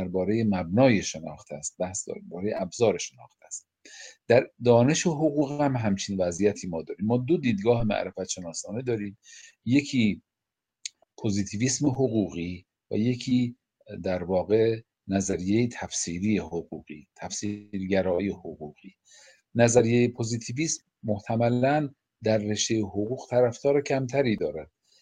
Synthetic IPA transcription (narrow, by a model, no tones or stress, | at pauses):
æɾbɒːɾe̞jemæbnɒːjeʃenɒːxt̪ʰæst̪̚bæhsd̪ɒ̰bɒːɾejeʔæbzɒːɾeʃenɒːxt̪ʰæst̪ | d̪̥æɾd̪ɒːne̞ʃeɦoɣuːɣhæmɦæmt͡ʃʰiːnvæzijæt̪ʰiːmɒːd̪ɒːɾiːmːɒːd̪o̞d̪iːd̪ɡɒːɦemæ̰ʔɾefæt̪ʃe̞nɒːsɒːned̪ɒːɾiːm | je̞cʰiː | pʰozit̪ʰiːviːsmeɦoɣuːɣiː | væ̰je̞cʰiː | d̪æɾvɒːɣe̞ | næzæɾijejet̪ʰæfsiːɾiːjehoɣuːɣ̥iːt̪ʰæfsiɾɡæɾɒːjehoɣuːɣ̥iː | næzæɾijejepʰoziːt̪ʰiviːsmːoht̪ʰæmælæn | d̪æɾːe̞ʃt̪ejehoɣuːɣ̥t̪ʰæɾæft̪ɒːɾecʰæmt̪ʰæɾiːd̪ɒːɾæd̪̥̚